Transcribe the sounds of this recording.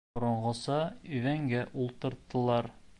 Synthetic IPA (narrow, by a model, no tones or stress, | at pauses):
ŏɾɤ̆ɴʁɤ̆sɑɵvæŋɡæʔulˠt̪ɤ̆ɾt̪ːɤ̆lˠɑɾ